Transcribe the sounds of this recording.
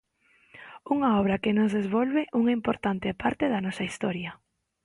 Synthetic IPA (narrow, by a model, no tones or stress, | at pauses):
uŋaɔβɾɐkenozðezβɔlβeʔuŋaimpoɾt̪ant̪epaɾt̪eðɐnɔsɐist̪ɔɾjɐ